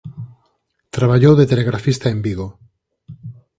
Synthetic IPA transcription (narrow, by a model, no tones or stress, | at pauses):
t̪ɾaβ̞aʎowðet̪eleɣɾafist̪aembiɣo